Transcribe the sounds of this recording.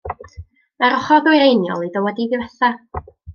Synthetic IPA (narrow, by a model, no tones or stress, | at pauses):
maɾɔχɔðʊjɾejnjɔ̰lˠidəwɛdiðɪvɛθa